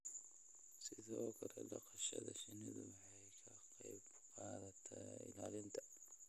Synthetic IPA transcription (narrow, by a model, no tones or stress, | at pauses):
sɪðɔːkʰɐɾɛlɐqʰɐʃɐðɐʃɪnɪðʊwɑħɑjkʰɐqɑjb | qɑːðɐt̪ʰɐɪ̰laːlɪnt̪ʰɐ̥